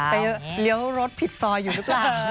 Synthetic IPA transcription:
pa˧jli˦˥əwɾo˦˥t̪̚pʰi˨˩t̪̚sɔː˧jːuː˨˩ɯ˦˥klaː˨˩w

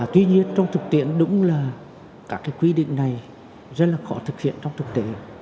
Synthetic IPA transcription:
t̪wi˧ɲi˧ənt͡ɕɔ˧wŋ͡mt̪ʰɨ˨˩k̚t̪i˧˩˨ənɗʊ̰˧˥ŋ͡mlaː˨˩ | kaː˦˥kːaː˨˦jkwi˧ɗḭ˧˨ŋ̟na˨˩j | zə˦˥t̚laː˨˩xɔ˧˩˦t̪ʰɨ˨˩k̚hḭ˧˨ənt͡ɕɔ˧wŋ͡mt̪ʰɨ˨˩k̚t̪e˧˨˦

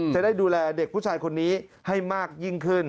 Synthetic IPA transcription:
t͡ɕa˨˩da˥˩jduː˧lɛː˧de˨˩k̚pʰuː˥˩t͡ɕʰaː˧jkʰo˧nːiː˦˥ha˥˩jmaː˥˩k̚ji˥˩ŋkʰɯ˥˩n

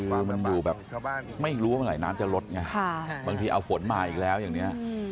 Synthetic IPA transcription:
ɯː˧ma˧njuː˨˩bɛː˨˩p̚ma˥˩jɾuː˦waː˥˩ma˧laː˨˩˦jnaː˦˥mt͡ɕa˨˩lo˦˥t̪̚ŋa˧a˥˩baː˧ŋt̪ʰiː˧ʔa˧wfo˩˦nmaː˧˩ʔiː˨˩k̚lɛː˦˥wjaː˨˩ŋni˦˥ɐ

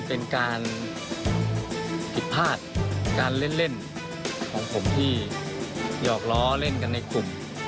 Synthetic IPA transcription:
pe˧nkaː˧n | pʰi˨˩t̪̚pʰaː˥˩t̪̚kaː˧nle˥˩˨nle˥˩n | kʰɔː˩˦ŋpʰo˩˦mt̪ʰiː˥˩ | jɔː˨˩k̚lɔː˦˥le˥˩nka˧nːa˧jkʰlu˨˩m

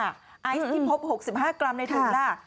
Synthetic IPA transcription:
a˥˩ | ʔa˧˩ji˧˩pʰo˦˥p̚ho˨˩k̚si˨˩p̚ɦaː˥˩kɾa˧mna˧jt̪ʰa˧ŋdaː˥˩

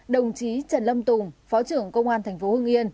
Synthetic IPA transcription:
ɗə˨˩wŋ͡mt͡ɕi˨˦t͡ɕə˧˩nlə˧mt̪ʊ˨˩ŋ͡mfɔ˨˦t͡ɕɨ˧˩əŋkə˧wŋ͡mʔaː˧nt̪ʰjŋ̟fo˨˦hɨ˧ŋʔi˧ən

